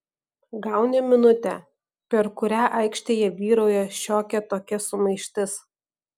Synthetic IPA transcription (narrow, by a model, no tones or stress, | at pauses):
ɡɑˑʊnʲɛmʲɪnʊt̪ʲɛ̰ | pʲɛɾkʊɾʲæːʔɐɪkʃʲt̪ʲeːjɛʋʲiːɾoːjɛʃʲoːkʲɛt̪oːkʲɛsʊmɐɪʃʲt̪ʲɪs